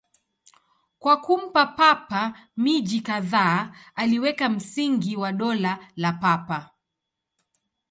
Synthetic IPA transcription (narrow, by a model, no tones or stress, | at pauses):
kwakum̩papapamiʄikaðaːaliwɛkam̩siŋɡiwaɗɔlalapapa